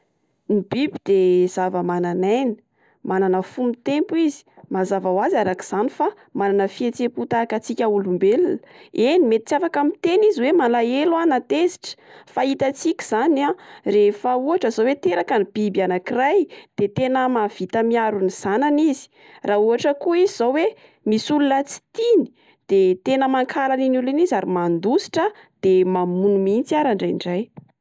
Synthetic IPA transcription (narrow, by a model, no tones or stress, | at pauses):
nibibid̪ez̥avəmananajni̥ | mananəfumit̪empuizi̥mazavawazaɾaki̥z̥anifa | mananəfiet͡seput̪akat͡sikʲaulumbelunenimet̪i̥t͡safakamit̪eniziwemalaelwanat̪eziʈ͡ʂə̥fait̪at͡sikʲi̥z̥anarefəuɦaʈ͡ʂəzawet̪eɾakanib̥ibianakirajd̪̥et̪enəmav̥it̪əmiaɾuniz̥ananizi̥ | rauɦaʈ͡ʂəkuizizawe | misulunət͡si̥t̪ini̥ | d̪̥et̪enəmaŋkʰalaninulinizaɾimand̪usi̥ʈ͡ʂə | d̪̥emamunumint͡siaɾaɳɖ͡ʐajɳɖ͡ʐaj